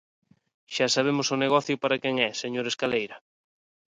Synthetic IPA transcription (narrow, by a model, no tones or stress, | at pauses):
ʃasaβ̞emʊsʊneɣ̞ɔθjʊpaɾakɛŋɛseɲoɾeskalejɾɐ